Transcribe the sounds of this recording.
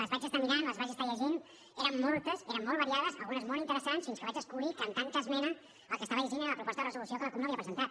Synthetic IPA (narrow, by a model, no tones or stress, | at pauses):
ləzβad͡ʒəst̪əmiɾanləzβaʒest̪əʎəʒin | eɾəmːɔlˠt̪əseɾəmːɔlˠβəɾiaðəsə̰lˠɣunəzmɔlˠint̪əɾəsansfinskəβat͡ʃəskulikant̪ant͡ʃəzmenə | əlˠkəst̪aβəʎəʒineɾələpɾupɔst̪əðərəzulusiokələkumnəaβiəpɾəzənt̪at̪̚